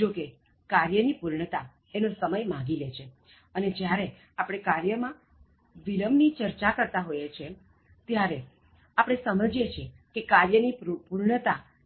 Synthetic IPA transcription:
d͡ʒoke | kaɾjənipuɾɳət̪a | enosəməjmãɡilet͡ʃʰe | əned͡ʒjaɾe | apəɽ̃ekaɾjəmã | ʋiləmnit͡ʃəɾt͡ʃakəɾt̪aɦojet͡ʃʰe | t̪jaɾe | apəɽ̃esəməd͡ʒjet͡ʃʰe | kekaɾjənipuɾɳət̪a

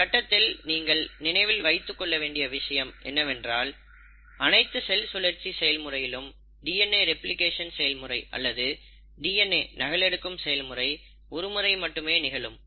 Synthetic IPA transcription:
kɐʈːɐt̪ːɪlniːŋɡɐɭnɪnɐɪʋɪlʋɐɪt̪ːɯkːɔɭːɐʋeːɳɖɪjɐʋɪʂɐjɐmʔɛ̰nːɐʋɛndraːl | ɐnɐɪt̪ːɯsɛlsʊlɐɾt͡ʃːisɛjɐlmɯrɐjɪlɯm | ɖiːɛneːɾɛplɪkeːʂɐnsɛjɐlmɯrɐɪʔɐ̰lːɐðɯ | ɖiːɛnːeːnɐɣɐɭɛɽɯkːɯmsɛjɐlmɯrɐɪ | ɔɾɯmɯɾɐɪmɐʈːɯmeːnɪɣɐɭɯm

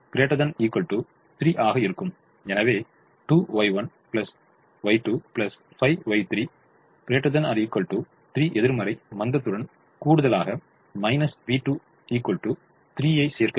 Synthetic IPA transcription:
pɪɾeːʈːɐðɐniːkːɔɭʈːu | t̪ɪɾiʔaːɣɐɪɾɯkːɯm | ɛnɐʋeː | ʈuːʋɐɪʋɐn | pɪlɐs | ʋɐɪʈuːplɐs | fɐɪʋɐɪt̪ɪɾi | pɪɾeːʈːɐðɐnaɐɾiːkːɔɭʈːu | t̪ɪɾiːʔɛðɪɾmɐɾɐɪmɐnd̪ɐt̪ːɯɽɐn | kuːɽɯðɐlaːɣɐ | mɐɪnɐsʋiːʈuː | iːkːɔɭʈːu | t̪ɪɾiːjɐɪseːɾkɐ

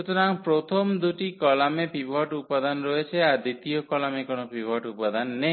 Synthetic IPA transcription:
ut̪onaŋpɾot̪ʰomd̪uʈikɔlamepʰibʱɔʈupad̪anɾɔet͡ʃʰeaɾd̪it̪ijokɔlamekonopʰibʱɔʈupad̪anːe

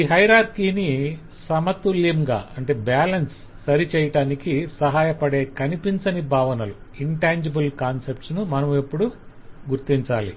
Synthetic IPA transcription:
iɦɐjɾaːɾkiːni | sɐmɐt̪ulːimɡa̰ːɐɳʈeːbaːlɐnsː | ɐɾit͡ʃɛːjɐʈaːnikisɐɦaːjɐpɐɽe̞ːkɐnipint͡ʃɐnibʱaːʋɐnɐluiɳʈaːɲd͡ʒibɐlkaːnsep̚ʈsnumɐnɐmepːuɽu | ɡuɾt̪iɲt͡ʃaːlḭ

